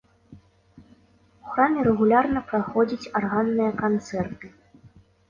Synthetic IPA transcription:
uxɾamʲɛɾɛɣulʲarnɐpɾaxɔd͡zʲit͡sʲarɣanːɨjɐkant̪sɛrt̪ɨ

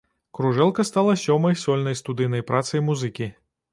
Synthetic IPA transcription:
kɾuʐɛlˠkɐst̪alˠɐsʲɔmɐjsɔlʲnɐjst̪ud̪ɨjnɐjpɾʔat̪sɐjmuzɨkʲi

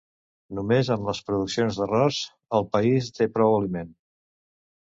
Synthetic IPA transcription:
numezəmləspɾuðuksionzðərɔz | əlˠpəist̪epɾɔwəlimen

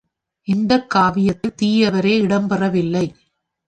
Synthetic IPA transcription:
ʔɪnd̪ɐkːaːʋɪjɐt̪ːɯt̪iːjɐʋɐɾeːɪɽɐmpɛrɐʋɪlːɐɪ

